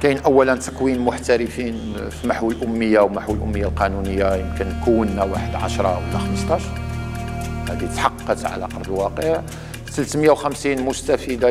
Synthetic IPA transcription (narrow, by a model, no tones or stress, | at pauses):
kæjnʔəwːælənt̪ə̥qwinmʊħt̪æɾəfin | fimaħwəlʔʊmːəjːawmaħwəlʔʊmːəjːalqɑnunəjːajəmkənːkəwːənːæwaħəd̪ʕa̰ʃɾˤɑwlːæxɑməst̪ˤɑʃ | hæd̪it̪ħɑqːət̪ʕa̰læ̰qɑɾˤd̪əlwɑqəʕ | səlt̪məjawxæmsinmʊst̪æfid̪a